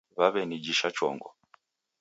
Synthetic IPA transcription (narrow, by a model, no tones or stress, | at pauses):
βaβɛnid͡ʒiʃat͡ʃɔ̰ŋɡɔ̰